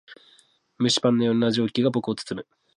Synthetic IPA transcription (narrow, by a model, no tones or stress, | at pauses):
mɯ̟ɕi̥pãnːojoɾnaʑo̞ːkʲiɡabo̞kɯot͡sɨ̥t͡sɨmɯ